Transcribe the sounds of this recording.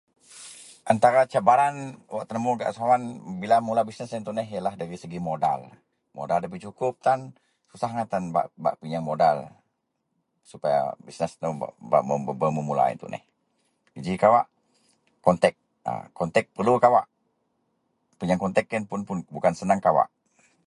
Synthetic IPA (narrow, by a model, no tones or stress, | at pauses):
ʔant̪aɾat͡ʃabaɾanwaʔt̪ənəmuɡa̰ʔsuawanbilamulabisnɛsɛnt̪unɛɦijalahdaɾisəɡimoda̰l | mo̰daldap̬it͡ʃukʊp̚t̪an | susahŋat̪anba̰ʔba̰ʔpiɲaŋmodal | supaja̰bisnəsnuba̰ba̰ʔməbəbəməmula̰ɛ̰nt̪ṵnʔɛ̰h | ɡid͡ʒikawaʔ | ɔnt̪ɛk̚ | ə̰kɔnt̪ɛk̚pərlukawaʔ | piɲaŋkɔnt̪ɛkːənpʊnpʊnbukansənaŋkawa̰ʔ